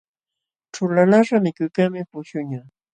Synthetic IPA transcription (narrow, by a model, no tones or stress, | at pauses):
ʈ͡ʂʊlalaʂamɪkʊjkaŋmɪpʊʃʊɲa